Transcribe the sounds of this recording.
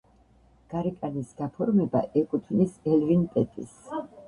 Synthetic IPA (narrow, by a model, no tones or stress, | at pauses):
ɡ̥aɾɛkʼanisɡ̥apʰɔɾmɛbaʔɛkʼut̪ʰvnisɛlvinpʼɛt̪ʼḭs